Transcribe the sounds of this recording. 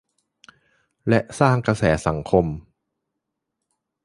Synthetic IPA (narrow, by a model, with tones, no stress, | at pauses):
lɛ˦˥ʔsaː˥˩ŋkɾa˧sɛː˩˦sa˩˦ŋkʰo˧m